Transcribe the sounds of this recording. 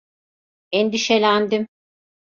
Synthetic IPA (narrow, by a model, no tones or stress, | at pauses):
ɛnd̪iʃelʲænd̪im